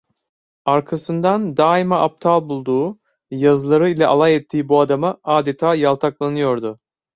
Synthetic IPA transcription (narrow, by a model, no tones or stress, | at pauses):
aɾkʰasɯnd̪and̪aːimaʔap̚t̪ʰalˠbulˠd̪uː | jazɯlˠaɾɯilʲɛʔa̰lˠajɛt̪ʰːiːbuad̪amaaːd̪et̪ʰaːjalˠt̪ʰaklˠanɯjo̞ɾd̪ʊ